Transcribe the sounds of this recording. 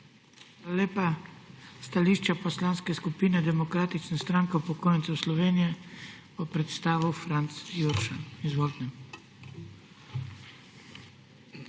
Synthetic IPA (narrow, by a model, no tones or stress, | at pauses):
aleːpa | st̪aliʃt͡ʃapɔslanskɛskupiːnɛd̪ɛmɔkɾaːt̪it͡ʃnɛst̪ɾaŋkɛupɔkoːjnt̪sɛwslɔʋeːnijɛ | bɔpɾɛt̪st̪aːʋuwfɾant̪sjuɾʃanizʋolt̪nɛm